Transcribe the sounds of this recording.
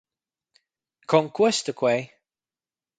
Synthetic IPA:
kʰɔŋkʰwɛst̪əkʰwej

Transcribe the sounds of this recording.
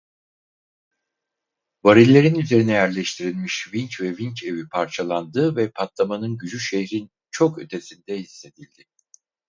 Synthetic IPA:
vaɾilʲːe̞ɾinyze̞ɾinɛjæɾlʲɛʃt̪ʰiɾilʲmiʃvincvɛvincʰe̞vipʰaɾt͡ʃʰalˠand̪ɯːvɛpʰat̪lˠamanɯnɟyd͡ʒyʃehɾin | t͡ʃʰo̞kø̰t̪ʰe̞sind̪ɛhisːe̞d̪ilʲd̪ɪ

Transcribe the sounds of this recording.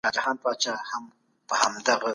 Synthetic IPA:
ɑd͡ʒahɑːnpɑt͡ʃɑham | pəhamd̪aɣa

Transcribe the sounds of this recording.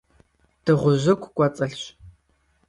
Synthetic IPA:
d̥ɨʁʷʊʑɐkʷʰʼkʷʼɐt͡sʼɐɬɕ

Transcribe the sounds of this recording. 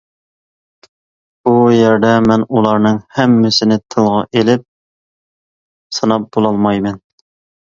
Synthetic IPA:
bujɛɾd̪ɛmɛnulˠɑɾnɨŋhɛmːɪsɪnɪt̪ʰɨlˠʁɑʔelɪp̚ | sɨnɑp̚b̥olˠɑlˠmɑjmɛn

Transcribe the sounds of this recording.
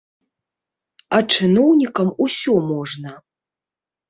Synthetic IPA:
ɐt͡ʂɨnɔwnʲikɐmusʲɔmɔʐnɐ

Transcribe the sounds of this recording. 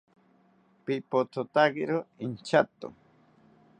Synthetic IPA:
pipot̪ʰot̪aɡiɾoint͡ʃat̪o̰

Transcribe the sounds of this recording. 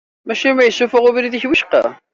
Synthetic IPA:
mæʃimijəsːufʊʁuvɾiðiçwiʃqɑ̰

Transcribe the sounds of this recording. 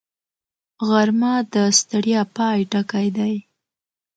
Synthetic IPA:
ɣaɾmɑd̪əst̪aɽjɑpɑjʈakajd̪aj

